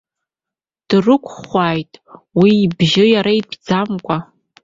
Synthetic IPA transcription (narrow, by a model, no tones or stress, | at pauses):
d̥rɨkʷʼʰχʷaːjtʼwiːbʒɪjaɾaipʰd͡zamkʷʼa